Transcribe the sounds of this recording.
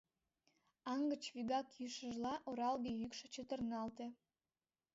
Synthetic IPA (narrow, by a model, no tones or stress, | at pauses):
ɑŋɡət͡ɕβyɣɑkjyʃəʒlɑʔoɾɑlɣejykʃə̆t͡ɕət̪ərnɑlt̪e